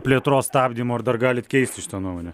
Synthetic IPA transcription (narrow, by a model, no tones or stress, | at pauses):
pʲlʲeɛt̪ɾoːsst̪ɑːbʲd̪ʲiːmoːɐɾd̪ɐrɡɑːlʲɪt̪kʲɛɪsʲt̪ʲʃʲɪ̥t̪ɑnuɔmoːnʲɛ